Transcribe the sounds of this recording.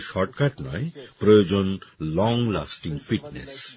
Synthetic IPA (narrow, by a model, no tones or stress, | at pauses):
ʃɔɾʈkaʈnɔepɾojod͡ʑonlɔŋla̰sʈiŋfiʈnḛs